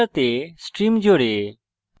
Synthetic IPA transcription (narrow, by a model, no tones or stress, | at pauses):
ət̪eːsʈɾiːmd͡ʒʱoːɽeː